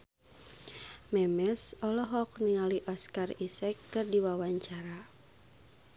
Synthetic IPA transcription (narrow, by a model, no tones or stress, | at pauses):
mɛmɛsɔlɔɦɔkniŋaliʔɔskarisɛkːɨrdiwawaɲt͡ʃaɾa